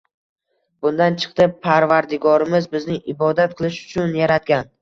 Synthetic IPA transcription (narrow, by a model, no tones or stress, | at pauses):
bʊnd̪ant͡ʃʰɨ̥qt̪ʰɨpʰːaɾvaɾd̪ɪɡɒɾɪmɪzbɪznɪʔɪbɒd̪at̪̚qʰɨlˠɪʃʊ̥t͡ʃʰʊnjaɾat̪̚ɡʲan